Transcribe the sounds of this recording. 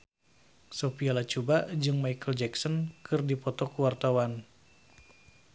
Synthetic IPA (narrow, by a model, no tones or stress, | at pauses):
sɔpialat͡ʃubad͡ʒɨŋmaikəld͡ʒɛksɔnkʰɨrdipɔt̪ɔkuwart̪awan